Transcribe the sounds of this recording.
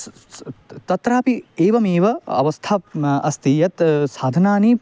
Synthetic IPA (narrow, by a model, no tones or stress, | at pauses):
t̪ɐt̪ɾaːpieːʋɐmeːʋɐɐ̰ʋɐst̪ʰaɐst̪iːjɐt̪saːd̪ʱɐnaːniː